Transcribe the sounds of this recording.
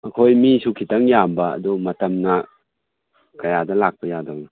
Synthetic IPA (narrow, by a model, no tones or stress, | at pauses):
ɐkʰojmisukʰitaŋjambɐ̰ːdumɐtɐmnɐ | kɐjadɐlak̚pɐjadaŋnɐ